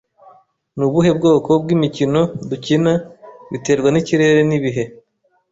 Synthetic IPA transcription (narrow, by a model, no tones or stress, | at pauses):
nuβuɦe̞bɡo̞ːko̞bɡimicino̞ducinaβite̞ːɾɡwaniciɾe̞ɾeniβiɦe̞